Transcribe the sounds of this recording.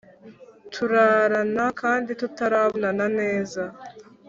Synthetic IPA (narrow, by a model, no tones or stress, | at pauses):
tʰuɾaːɾanakaːnditutaɾaβonanane̞ːza